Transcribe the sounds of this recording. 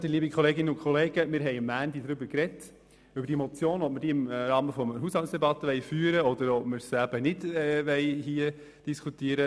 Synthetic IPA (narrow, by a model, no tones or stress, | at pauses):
d̥̪iliːbikʰχɔleːɡɪnːəʊnkʰχɔleːɡəmɪːɾɦɛɪmːæːnd̪idɾʏbəɾkɾɛt | ʉbəɾd̥imɔt͡sjoːnɔp̚məɾd̥iːɪmɾɑːməfɔməɦushɑltsd̥ɛbɑt̪ːəʋɛɪfyːɾəɔd̥̪əɾɔpməɾsæb̥ənɪdɛʋɛɪɦiə | d̥iskʰutiːəɾə